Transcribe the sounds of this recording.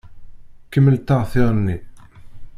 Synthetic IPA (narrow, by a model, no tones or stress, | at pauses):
kːəmːəlt̪aʁθɪʁˤnːi